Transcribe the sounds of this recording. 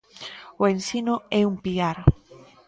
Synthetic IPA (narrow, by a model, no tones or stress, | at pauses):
oensinoɛumpiaɾ